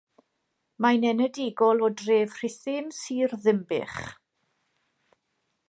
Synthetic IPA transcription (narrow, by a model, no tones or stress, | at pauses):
manɛnədɪɡɔlˠɔdreːvr̥ɪθɪmsiːrðɪmbɪ̰χ